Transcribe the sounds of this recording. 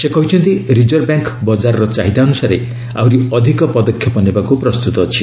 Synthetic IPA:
sekɔɦit͡ʃʰɔnt̪iɾid͡ʒɔɾbjaŋkbɔd͡ʒaɾɔɾɔt͡ʃa̰ɦid̪aɔnusaɾḛ | a̰wɾiɔd̪ʱikɔpɔd̪ɔkʰjɔpɔnebakupɾɔst̪ut̪ɔːt͡ʃʰi

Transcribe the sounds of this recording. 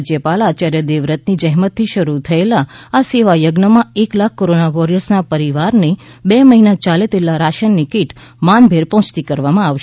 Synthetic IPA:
d͡ʒjəpalaːt͡ʃaɾjəd̪eʋɾət̪nid͡ʒəɦmət̪ʰːiʃəɾut̪ʰəelaːseʋajəɡnəmãeklakʰːoɾonaʋɔɾəɾsnapəɾiʋaɾne | bɛməɦinat͡ʃalet̪elaɾaʃənːikiʈmanbʱeɾpɔ̃ɦʊ̃t͡ʃt̪ikəɾʋamãaʋʃ

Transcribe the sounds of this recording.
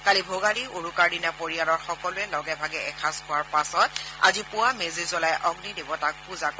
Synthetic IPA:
kalibʱoɡaɹioɹukaɹdinɛpoɹijalɔɹxɔkɔlʊɛlɔɡɛbʱaɡɛɛkʰaskʊwaɹpasɔt̚a̰zipʊwamezizɔlajʔɔɡnidebɔtak̚puzak

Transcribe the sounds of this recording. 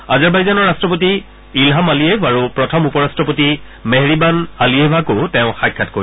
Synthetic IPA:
azaɹbajzanɔɹːastɹɔp̬oti | ilɦamalijevʱaɹupɹɔtʰɔmupɔɹastɹɔpoti | meɦɹibanaliebʱakotɛʊ̃xajkʰːatko̰i

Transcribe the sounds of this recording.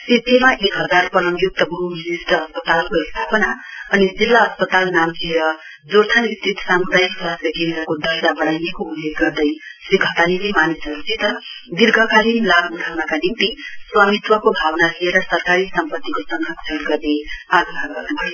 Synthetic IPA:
sid̪ʱemaʔekɦʌd͡zarpʌlʌmjok̚t̪ʌbʱuminist̪ʌːspʌt̪alkoist̪ʰapʌnaʌnid͡zilːaʌspʌt̪alnamt͡sʰeɾʌ | d͡zoɾt̪ʰanist̪rit̪ʰsamud̪ajsasʌkend̪rʌkod̪ʌd͡zabʌɽajnekoulːeɡɡʌrd̪ʌjsiɡʱʌt̪aninemanisʌɾut͡sʰit̪ʌd̪irɡʱʌkalinlabuɽʱawnakanimt̪iswamit̪wʌkobʱawnalieɾʌsʌrkaɾisʌmpʌt̪ːikosʌŋɡakt͡sʰʌlɡʌrneaɡɦaɡʌrnubʱʌjo

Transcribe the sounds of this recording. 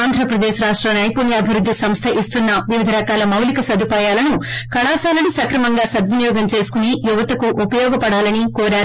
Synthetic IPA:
aːnd̪ʱɾɐpɾɐd̪ɛːʃɾaːʂʈɾɐmnɐːjpoːnjɐɐbʱiɾud̪ːisɐmst̪ʰɐʔist̪unːɐʋiʋid̪ʱɐɾɐkaːlɐmɐwlikɐsɐd̪ʱupaːjaːlɐnukɐɽaːsaːlɐnisɐkɾɐmɐŋɡaːsɐd̪ʋunijɔːɡɐmt͡ʃe̞ːsu̥kunijuʋɐt̪ɐkuʔupɐjɔːɡɐpɐɽaːlɐnikoːɾaːɾu

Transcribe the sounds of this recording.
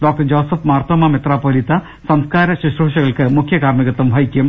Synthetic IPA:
ɖoːk̚ʈɐd͡ʑoːsɐfmaːrt̪ɐmɐmet̪raːpoːlit̪ːɐ | sɐmskaːɾɐɕiʂruʂɐɣɐɭkɨmukʰjɐkaːrmiɣɐt̪ːumbʱɐjikʲːum

